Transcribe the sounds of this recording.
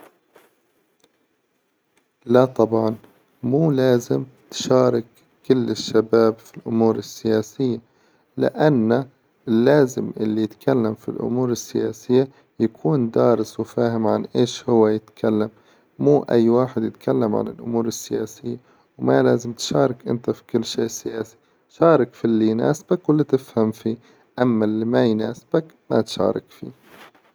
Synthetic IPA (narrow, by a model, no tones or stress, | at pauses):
lat̪ˤɑbʕɑn | muːlaːzɪmt̪ʃɑːɾˤɪkː | ɪlːɪʃːabaːbfilʔʊmuːɾɪsːɪjaːsɪjːa | lɪ̰ʔanːa | lːaːzɪmʔɪlːijɪt̪kʰalːamfḭlʔʊ̰muːɾɪsːɪjaːsɪjːa | jakʰuːnd̪ɑːɾɪswɪfaːɦɪmʕa̰nʔeːʃhʊwːajɪt̪kʰalːamː | uːʔa̰jːwaːħɪd̪jɪt̪kʰalːamʕa̰nɪ̰lʔʊ̰muːɾɪsːɪjaːsɪjːa | wma̰laːzɪmt̪ʃɑːɾˤɑkʔɪ̰nt̪afi̥kɪlːʃeːʔsːɪjaːsi̥ | ʃɑːɾˤɑkfilːijna̰ːsb̥akwɪlːit̪ɪfhamfiː | ʔamːalːimajnaːsb̥akma̰t̪ʃɑ̰ːɾˤɑ̰kfḭː